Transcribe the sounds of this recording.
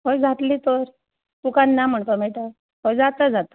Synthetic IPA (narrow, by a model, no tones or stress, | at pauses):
ɦojd͡zat̪liːt̪oɾ | t̪ukanːam̤əɳt̪omeʈə | ɦojd͡zat̪əd͡zat̪ə̥